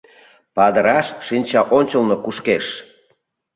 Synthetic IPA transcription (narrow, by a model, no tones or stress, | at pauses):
pɑd̪əɾɑʃːinʲt͡ɕɑʔonʲt͡ɕəlnokuʃkeʃ